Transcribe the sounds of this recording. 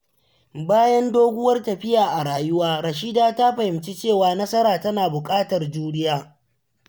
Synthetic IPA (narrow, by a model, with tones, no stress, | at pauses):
baː˦jɐ˦ndoː˦ɡʷʊ˦wɐ˦rtɐ˨ɸɪ˦jaː˨ʔa˨ɽaː˨jʊ˦waː˦ɽɐ˨ʃ̬i˦daː˦ta˦ɸɐ˨hɪ˨mt͡ʃi˦t͡ʃeː˦˨waː˨nɐ˦sɐ˦ɾaː˨tɐ˦naː˨bʊ˨kʼaː˦tɐ˨rd͡ʒuː˦ɽɪ˦jaː˦